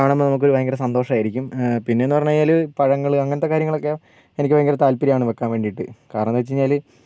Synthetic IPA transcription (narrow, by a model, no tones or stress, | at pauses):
aːɳemːbonɐmukːoɾuʋɐjɐŋɡɐɾɐsɐnd̪o̞ːʂɐmaːjiɾikʲːumpinːenːupɐɲːaːjaːlɨpɐɻɐŋːɐɭɨɐŋːɐnɐt̪ːekaːɾjɐŋːɐɭo̞kːe | enik̬ʲːɨʋɐjɐŋɡɐɾɐt̪aːlpiɾɐjaːɳɨʋekːaːnʋeːɳɖiʈːɨkaːɾɐɳɐnʋet͡ɕːiɲːaːl